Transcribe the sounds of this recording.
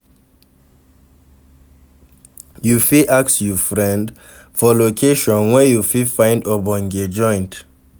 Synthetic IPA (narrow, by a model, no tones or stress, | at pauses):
jufiʔaksjufɹɛ̃nd | fɔlokʰeʃɔ̃nwɛjufifãɪ̃ndɔbɔ̃ŋɡed͡ʒɔ̃ɪ̃nt